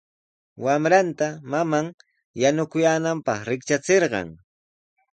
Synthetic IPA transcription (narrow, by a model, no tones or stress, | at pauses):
wamɾant̪amamaŋ | janʊkʊjaːnampɑχɾɪk̚t͡ʃat͡seɾɢɑ̰ŋ